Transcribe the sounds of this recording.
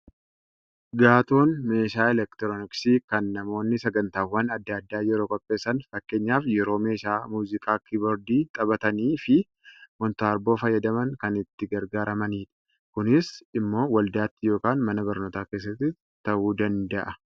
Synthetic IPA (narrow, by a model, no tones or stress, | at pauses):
ɡaːt̪o̞ːnme̞ːʃaːɛlɛkt̪ɾɔnɪksiːkɐnːɐmo̞ːnːɪsɐɡɐnt̪aːwːɐnɐd̪ːɐɐd̪ːaːjɛɾo̞ːkʼɔpʼːe̞ːsːɐnfɐkːe̞ːɲːaːfjɛɾo̞ːme̞ːʃaːmuːzɪkʼaːkibɔɾd̪iːt̪ʼɐbɐt̪ɐniːfɪ | mɔnt̪aːɾbo̞ːfɐjːɐd̪ɐmɐŋkɐnɪt̪ːɪɡɐɾɡaːɾɐmɐniːᶑ̪ɐ̥ | kʊnɪsɪmːo̞ːwɐld̪aːt̪ːɪjo̞ːkaːnmɐnɐbɐɾnoːt̪aːke̞ːs̬ːɐt̪ːɪ | t̪ːɐʔuːd̪ɐnd̪ɐʔɐ